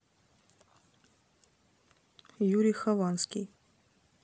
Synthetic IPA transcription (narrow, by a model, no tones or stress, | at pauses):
juɾʲɪjxɐvanskʲɪj